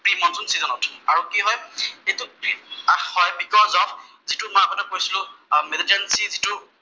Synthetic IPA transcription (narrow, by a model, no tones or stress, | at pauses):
pɹimɔnzunsizɔnɔtaɹukiɦɔjejtʊ | hɔjbʱikɔzɔpʰ | zitʊmãpɔnɛkojsilʊ̃melitɛnsizitʊ